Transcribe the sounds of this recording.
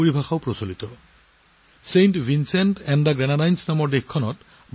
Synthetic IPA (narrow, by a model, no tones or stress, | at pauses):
oɹibʱaxaʊpɹosolit̪ɔ | sejnʈvinsɛntɛndaɡɹɛnadajnsnamɔɹdexkʰːɔnɔt | bʱ